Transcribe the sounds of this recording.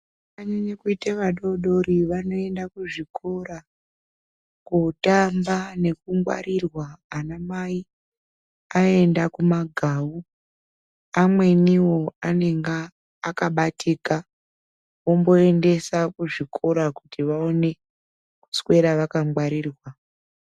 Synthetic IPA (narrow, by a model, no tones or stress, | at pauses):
aɲaɲekuiteʋaɗo̞ɗo̞ɾiʋano̞e̞ndakuʐikʰo̞ɾa | kutambane̞kumɡwa̰ɾirwaːnamai | ae̞ndakumaɡʱaːwu | amwe̞niwo̞ane̞ŋɡaː | kaɓatʰika | wo̞mbo̞e̞nde̞sakuʐikʰo̞ɾakutiʋaone̞ | ku̥swe̞ɾaʋakamwaɾiːrwa